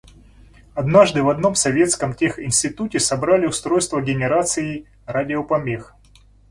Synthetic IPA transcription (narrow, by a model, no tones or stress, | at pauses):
ɐd̪naʐd̪ɨvɐd̪no̞msɐvʲe̞t̪skəmtʲexɪnʲsʲtʲɪt̪utʲɪsɐbɾalʲɪʊst̪ɾo̞jst̪vəɡʲɪnʲɪɾat̪sɨɪ | radʲɪopɐmʲex